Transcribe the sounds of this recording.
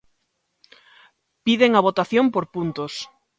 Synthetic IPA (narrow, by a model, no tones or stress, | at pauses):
piðeŋɐβot̪aθjompoɾpunt̪os